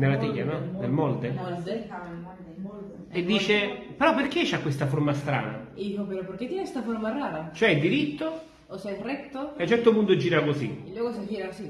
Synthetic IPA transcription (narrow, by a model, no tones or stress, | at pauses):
nelːat̪ijːanɔd̪elmɔld̪eld̪e | ed̪ːiːt͡ʃepeɾɔpːerk̟et͡ʃːakːwest̪afoɾmast̪ɾa̰ːna̰d̪iːkopeɾɔpoɾk̟et̪ːjɛnest̪afoɾmaraːɾat͡ʃoɛid̪iɾit̪ːo | osɛrɛt̪ːoeat͡ʃːɛrt̪opunt̪od͡ʒːiːɾakosilːwɔːɡosad͡ʒiːɾasi